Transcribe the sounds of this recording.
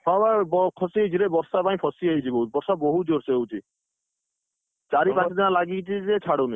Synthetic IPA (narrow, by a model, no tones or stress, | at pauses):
hʰɔbabɔkʰɔsit͡ʃʰiɾebɔɾsapaj̃pʰɔsiaɦit͡ʃʰiboɦubɔɾsaboɦud͡ʒoɾsewt͡ʃʰi | t͡ʃaɾipãt͡ʃʰd̪inalaɡit͡ʃʰid͡ʒet͡ʃʰaɽowni